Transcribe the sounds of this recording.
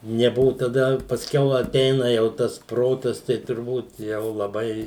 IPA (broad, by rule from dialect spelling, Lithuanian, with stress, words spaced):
nʲɛˈbʊʋʊ tɐˈdɐ pɐsʲˈkʲɛʊ ɐˈtʲɛɪnɐ jɛʊ ˈtɐs ˈproːtɐs tɐɪ tʊrˈbuːt ˈjɛʊ lˠɐˈbɐɪ